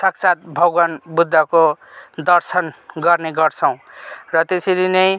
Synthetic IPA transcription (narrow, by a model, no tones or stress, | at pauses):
sʌkt͡sat̪̚bʱʌɡwanbud̪ʱːakod̪ʌrsʌnɡʌrneɡʌrt͡sʰʌw̃rʌt̪eseɾinʌj̃